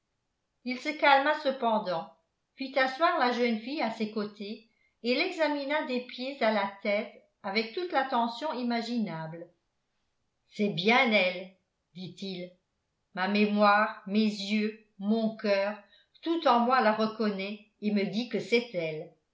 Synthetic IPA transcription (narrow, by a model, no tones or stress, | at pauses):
ilsəkalmasəpɑ̃d̪ɑ̃ | fit̪aswaʁlaʒənfijasekot̪ʰe | elɛɡzaminad̪epjezalat̪ɛt̪ | avɛk̚t̪ut̪lat̪ɑ̃sjɔ̃imaʒinabl | sɛbjɛ̃nɛl | d̪̥it̪il | mamemwaːʁmezjø | mɔ̃kœːʁ | t̪ut̪ɑ̃mwalaʁəkɔnɛ | eməd̪ikəsɛt̪ɛl